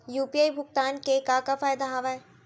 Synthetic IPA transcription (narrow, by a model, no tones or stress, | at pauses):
juːpiaːibʱʊk̚t̪aːnkekakafaːjd̪aɦaːʋaɛ